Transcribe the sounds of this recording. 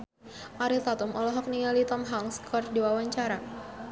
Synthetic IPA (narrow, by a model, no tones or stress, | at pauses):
ʔaɾit̪at̪umʔɔlɔɦɔk̚niŋalit̪ɔmɦaŋskʰɔrdiwawaɲt͡ʃaɾa